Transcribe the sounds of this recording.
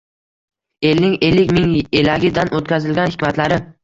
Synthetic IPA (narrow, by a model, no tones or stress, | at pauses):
elnɪŋe̞lːɪkʲmɪŋelaɡʲɪd̪anʔot̪kʰʲazɪlɡʲanhɪkʲmat̪ʰlaɾɪ